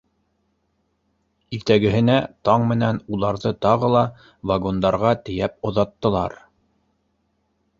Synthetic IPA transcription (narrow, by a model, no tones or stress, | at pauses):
iɾt̪æɡɘ̆ɦɘ̆næt̪ɑɴmɘ̆nænulˠɑɾðɤt̪ɑʁɤlˠɑ | vaɡo̞nd̪ɑɾʁɑt̪ɘ̆jæp̚ŏðɑt̪ːɤ̆lˠɑ̰ɾ